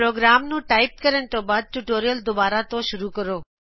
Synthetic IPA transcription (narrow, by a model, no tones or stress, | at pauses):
ɾoːɡɾaːmnũːʈaːɪp̚kəɾəɽ̃ɪ̆t̪õːbaːd̪̚ʈuʈoːɾijəld̪ʊbaːɾat̪õʃʊɾukəɾoː